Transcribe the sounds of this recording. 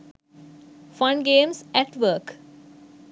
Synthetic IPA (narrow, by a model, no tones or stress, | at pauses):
fʌ̃ɳɖɡẽːmsɛʈʋəːɾk